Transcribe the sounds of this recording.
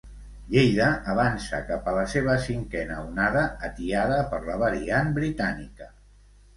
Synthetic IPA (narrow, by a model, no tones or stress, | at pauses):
ʎejðəʔːβ̞ansə̰kapələseβ̞əsiŋkɛnəunaðəːt̪iaðəpəɾləβəɾianbɾit̪anikə